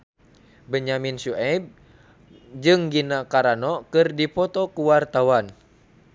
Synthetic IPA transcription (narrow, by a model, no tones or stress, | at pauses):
bəɲaminsuʔɛb̚ | d͡ʒɨŋɡinakaɾanɔkɨrdipɔt̪ɔkuwart̪awan